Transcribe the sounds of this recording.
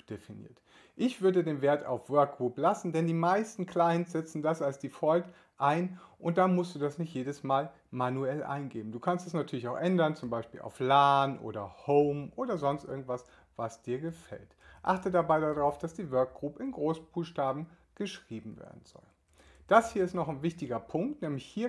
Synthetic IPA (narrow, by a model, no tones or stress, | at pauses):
d̥efinḭːɐt | ʔɪçv̥ʏɐdədeːnveːɐta̰ʊfv̥œɐk̚ɡ̥ʁuːplasn̩dɛndiːmaɪstn̩kl̥aɪnsz̥ɛt͡sn̩dasalsd̥iːfɔlk | ʔaɪnʔʊnt̚d̥amʊstd̥uːdasnɪçtjeːdəsmaːl | manuɛlʔa̰ɪnɡeːbm̩duːkʰanstdasnatʰyɐlɪçaʊxʔɛndɐnt͡sʊmbaɪʃpḭːlʔa̰ʊflaːnʔo̰ːdɐhoʊmʔoːdɐzɔnstʔɪɐɡŋ̩tv̥as | vasd̥iːɐɡəfɛ̰ltʔa̰χtədabaɪdadʁaʊfd̥asd̥iːvœɐk̚ɡ̥ʁuːpɪnɡʁoːsb̥uːxʃtaːbm̩ | ɡ̥əʃʁ̥iːbm̩vḛːɐdn̩z̥ɔ̰l | d̥ashiːɐɪstnɔχaɪnvɪçtɪɡɐpʰʊŋk̚tnɛːmlɪçhiːɐ